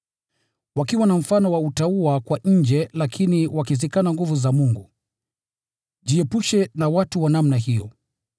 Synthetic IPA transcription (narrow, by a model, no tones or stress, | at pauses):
wakiwanam̩fanɔwautauakwaɲ̩d͡ʒɛlakʰiniwakizikanaŋɡuvuzamuŋɡu | ʄiɛpuʃɛnawatuwanamnaɦijɔ̰